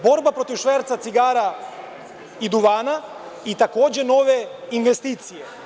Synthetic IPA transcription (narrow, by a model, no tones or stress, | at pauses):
bo̞ɾbapɾot̪iʋʃʋeɾt̪sat̪siɡaːɾa | id̪uʋaːna | it̪akoːd͡ʑeno̞ʋeinʋest̪iːt̪sije